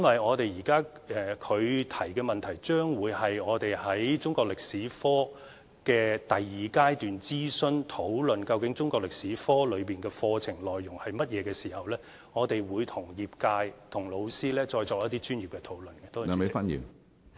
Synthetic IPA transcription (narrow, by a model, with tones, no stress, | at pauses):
jɐ˥nwɐ˨jɔː˨˧t̪e˨jiː˨˩kaː˥˨kʰɵ˨˧ɥt̪ʰɐ˨˩jkɛː˧mɐ˨nt̪ʰɐ˨˩jt͡ʃœː˥ŋwuː˨˧jhɐ˨jɔː˨˧t̪e˨jhɐ˨˥jt͡sʊ˥ŋkɔː˧k̚lɪ˨k̚siː˨˥fɔː˥ | kɛː˧t̪ɐ˨jːiː˨kaː˥jt̪yː˨nt͡siː˥sɵ˥nt̪ʰo˨˥wlɵ˨nkɐ˧wkɪ˨˥ŋt͡sʊ˥ŋkɔ˧klɪ˨k̚siː˨˥fɔː˥lɵ˨˧ɥpiː˨nkɛː˧fɔː˧t͡sʰɪ˨˩ŋlɔː˨jːʊ˨˩ŋhɐ˨jmɐ˥t̚jɛː˨˧kɛː˧siː˨˩hɐ˨wlɛː˥ | ŋɔː˨˧t̪e˨jwuː˨˧jt̪ʰʊ˨˩ŋjiː˨p̚kaː˧jt̪ʰʊ˨˩ŋlo˨˧wsiː˥lɛː˥t͡ʃɔː˧jt͡sɔː˧kjɐ˥t̪i˥t͡ʃyː˥njiː˨˩pkɛ˧t̪ʰo˨˥wlɵ˨nkɛ˧t̪oː˥˨me˨fɐ˥njḭ˨